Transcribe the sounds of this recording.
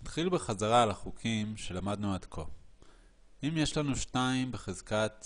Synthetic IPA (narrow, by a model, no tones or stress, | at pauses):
nat̪χilbeχazaʁaːlaχukʰimʃe̞lamad̪nuadkʰo̞ | imje̞ʃlanuʃtaimbeχezkat̪